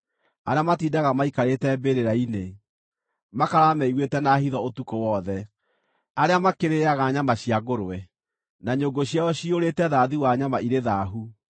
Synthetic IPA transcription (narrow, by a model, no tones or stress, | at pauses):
aɾeamatiːdaɣamaikaɾetɛbeɾeɾaine | makaɾamɛiɣwetɛnahiðɔotukowɔðɛ | aɾeamakeɾeaɣaɲamaɕiaɣoɾowɛ | naɲoːɡoɕjaɔɕioɾetɛðaðiwaɲamaʔiɾeðaɦu